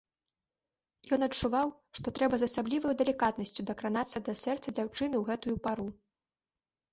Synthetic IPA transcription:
jɔn̪ɐt͡ʂːuvaw | ʂt̪ɔt̪ɾɛbɐzɐsablʲivɐjud̪ɛlʲikat̪nɐsʲt͡sʲud̪ɐkɾanat̪sːɐd̪ɐsʲɛrt̪sɐd͡zʲawt͡ʂɨnɨwɣɛt̪ujupaɾu

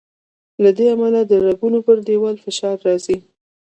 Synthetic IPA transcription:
lad̪eamalad̪əɾaɡunopəɾɖewɑlfɪʃɑɾːɑzi

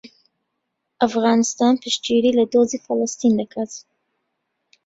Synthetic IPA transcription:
ʔafɣɑːnɨst̪ɑːnpʰɨʃt͡ʃiɾiːlɐd̪oːziːfɐləst̪ind̪ɐkʰat̪

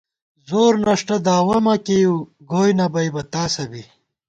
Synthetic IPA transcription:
zoːɾnɐʂʈɐd̪aːwɐmɐkeju | ɡoːjnɐbɐjbɐt̪aːsɐbi

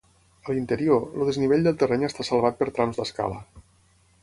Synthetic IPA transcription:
əlint̪əɾioluðezniβeʎʲd̪elˠt̪ərɛɲəst̪asəlˠβ̞at̪̚pəɾt̪ɾamzd̪əska̰lə̰

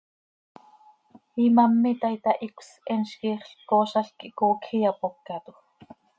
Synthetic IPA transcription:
imɑmːit̪ɑit̪ɑʔikʷs | ɛnʃkiːχɬkoːʃɑɬkiʔkoːkʰijɑpopkɑt̪u

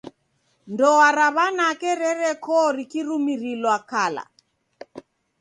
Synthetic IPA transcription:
ndɔaɾaβanakɛɾɛɾɛkɔɾikiɾumiɾilwakala̰

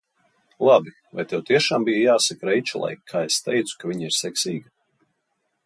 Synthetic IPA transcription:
lˠabi | va̰jt̪ɛwt̪iɛʃaːmbijajaːsakɾɛjt͡ʃulˠa̰jkʰːaːest̪ɛjt̪su̥kaviɲiɾsɛksiːɡa

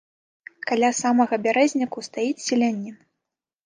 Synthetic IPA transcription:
kalʲasamɐɣɐbʲaɾɛzʲnʲikust̪ajit͡sʲsʲilʲanʲːɛ

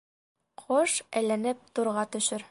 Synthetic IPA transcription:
qʰoʃæ̰jlænɘp̚t̪uɾʁɑt̪ɵ̆ʃɘɾ

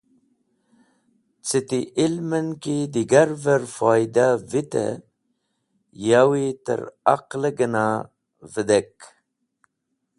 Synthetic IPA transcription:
t͡sit̪iʔilmənkid̪iɡaɾvəɾfɑːjd̪avit̪ə̰ | jawit̪ə̰ɾa̰qləɡəna | vəd̪ek

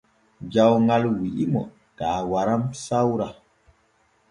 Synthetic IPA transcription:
d͡ʒawŋalwiʔimɔ̰ | tawaɾamsawɾa

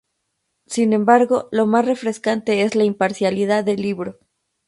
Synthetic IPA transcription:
sinẽ̞mbaɾɣo̞lo̞masre̞fɾe̞skant̪e̞e̞zlaimpaɾsjaliðaðelːiβɾo̞

